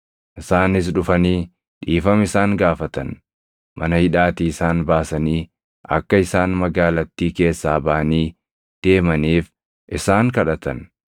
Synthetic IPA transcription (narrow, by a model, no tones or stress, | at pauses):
ʔɪsaːnɪs̬ᶑʊfɐniː | ᶑiːfɐmɪsaːŋɡaːfɐt̪ɐn | mɐnɐhɪᶑaːt̪iːɪsaːnbaːsɐniː | ʔɐ̰kːɐɪsaːnmɐɡaːlɐt̪ːiːke̞ːsːaːbɐʔɐniː | d̪̥e̞ːmɐniːf | ʔɪsaːŋkɐᶑɐt̪ɐn